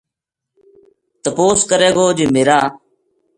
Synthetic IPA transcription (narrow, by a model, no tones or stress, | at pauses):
t̪əpoːskəɾeːɡoːd͡ʒiːmeːɾaː